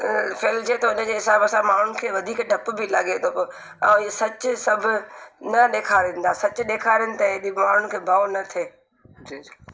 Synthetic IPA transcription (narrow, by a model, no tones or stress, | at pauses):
fʰeːld͡ʑet̪oɪnəd͡ʑeːɦɪsaːbɐsãmaːɳ̤ʊ̤̃kʰeːʋɐd̪ʱiːkɖʱɐpbʱɪlɐ̰ɠet̪ʰopo | ɐ̃ːɦesɐt͡ɕʊsɐbʱʊnɐɗeːkʰaɾẽːn̆d̪aːsɐt͡ɕʊ̆ɗeːkʰaːɾɪənɪ̆t̪ɐeɗ̪imaːɳ̤ʊ̃ʊkʰeːbʱaːwnɐt̪ʰeː | i